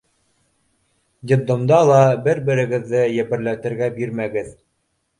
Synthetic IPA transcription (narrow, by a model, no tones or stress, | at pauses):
d̪ʲɪd̪omd̪ɑlˠɑbɘɾbɘ̆ɾɘ̆ɡɘ̆ðːɘjæ̆pɘ̆ɾlæt̪ɘ̆ɾɡæbiɾmæɡɘð